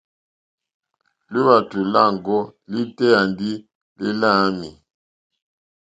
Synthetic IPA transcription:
li˦βa˨tu˨la˦˨ŋɡɔ˦li˦tɛ˦a˨ndi˦ | li˦la˦mi˨

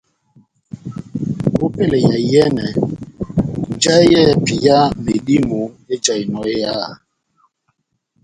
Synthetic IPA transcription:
o˦pe˦˨lɛ˨ja˨˦jɛ˦nɛ˨ | n˨˦d͡ʒa˦jɛ˦˨pi˨ja˦me˨ɗi˦mu˨e˦t͡ʃa˨i˨nɔ˨˦e˦ja˦˨

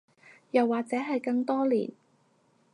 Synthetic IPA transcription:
jɐ˨wːaː˨k̚t͡sɛː˨˥ɦɐ˨jkɐ˧ŋt̪ɔː˥lḭː˨˩n

